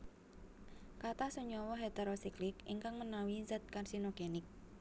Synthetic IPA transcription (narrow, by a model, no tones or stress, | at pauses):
kat̪asuɲɔwɔɦet̪eɾosiklɪkḭŋkaŋmənawizat̪̚karsinoɡ̥enɪk̚